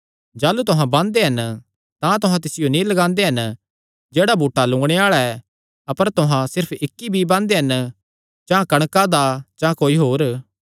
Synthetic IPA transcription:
d͡ʒaːlut̪ʊɦãbãːnd̪eɦɐn | t̪ãt̪ʊɦãt̪ɪsɪjonĩlɐɡãːnd̪eɦɐn | d͡ʒeːɽabʱuːʈːalʊ̃ːɡɽ̃eaːɭaɛ | ɐpəɾt̪ʊɦãsɪɾpʰɪkːibʱibãːnd̪eɦɐn | d͡ʒãːkɐɽ̃kad̪ad͡ʒãːkoːiɦoːɾ

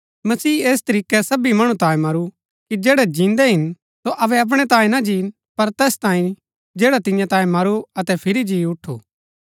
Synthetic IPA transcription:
mɐsiːeːs̬t̪ɐɾiːkɛsɐbimɐɽ̃ũt̪ãːẽmɐɾu | kid͡ʒɛːɽɛd͡ʒĩːnd̪ɛɦɪn | soʔɐʋɛɐp̬ɽ̃ɛt̪ãːĩnɐd͡ʒiːn | pɐɾt̪ɛːst̪ãːĩ | d͡ʒɛːɽat̪ɪ̃jãt̪ãːĩmɐɾuɐt̪ɛpʰɪɾid͡ʒiːʊʈʰːṵː

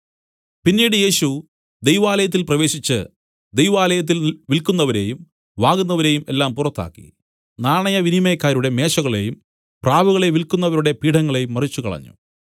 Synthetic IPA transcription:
pinːiːɽɨje̞ːɕu | d̪e̞jʋaːlɐjɐt̪̬ːilprɐʋe̞ːɕit͡ɕːɨ | d̪ejʋaːlɐjɐt̪̬ːilʋilkunːɐʋɐɾe̞ːjum | ʋaːɣunːɐʋɐɾe̞ːjume̞̰lːaːmpurɐt̪ːa̰ːkːḭ | naːɳɐjɐʋinimejkːaːɾuɽe̞me̞ːʂɐɣɐɭe̞̰jum | praːʋuɣɐɭe̞ʋilkunːɐʋɐɾuɽe̞piːʈʰɐŋːɐɭe̞jumːɐrit͡ɕːukɐ̰ɭɐ̰ɲːṵ

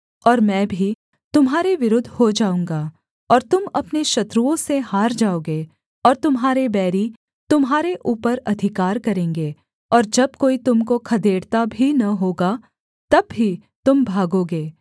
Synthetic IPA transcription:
ɔːɾmɛ̃ːbʱi | t̪ʊmɦaːɾeʋɪɾʊd̪ʱːhod͡ʒaːũːŋɡa | ɔːɾt̪ʊmɐpneʃɐt̪ɾuõsehaːɾd͡ʒaːoːɡeː | ɔːɾt̪ʊmɦaːɾebɛːɾi | t̪ʊmɦaːɾeʔuːpəɾɐd̪ʱɪkaːɾkɐɾẽːŋɡeː | ɔːɾd͡ʒɐb̚koːit̪ʊmkokʰɐd̪ʱeːɽt̪abʱinɐɦoːɡa | t̪ɐbːit̪ʊmbʱaːɡoːɡeː

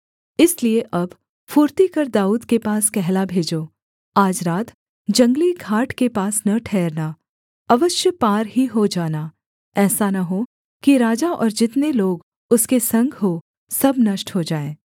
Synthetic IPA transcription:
ɪslieʔɐb | fuːɾt̪ikɐɾd̪aːuːd̪kepaːskɛɦlabʱeːd͡ʒoː | aːd͡ʒɾaːt̪ | d͡ʒɐ̃ŋɡliɡʱaːʈʰkepaːsnɐʈʰɛːɾna | ɐʋəʃjəpaːɾɦiɦod͡ʒaːnaː | ɛːsanɐɦo | kiɾaːd͡ʒaʔɔ̰ːɾd͡ʒɪt̪neloːɡ | ʊskesɐ̃ŋɡʱɦo | sɐbnɐʃʈɦod͡ʒaːẽː

